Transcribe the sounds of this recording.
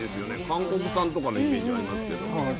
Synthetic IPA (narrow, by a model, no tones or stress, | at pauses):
esɨjo̞nekãŋko̞kɯ̟sãnt̪okaneimeːd͡ʑiaɾʲimasɨ̥ke̞d̪o̰